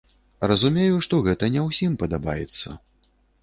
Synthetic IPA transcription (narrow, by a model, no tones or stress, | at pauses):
rɐzumʲejuʂt̪ɔɣɛt̪ɐnʲɛwsʲimpɐd̪aba̰jɛt̪sːɐ̰